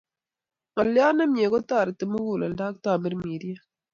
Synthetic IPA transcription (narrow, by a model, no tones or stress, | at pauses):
ɐljaːnɐmjeɡot̪aːɾt̪əmuɡuːlɐldaːk̚t̪aːmɪɾmiːɾijɐ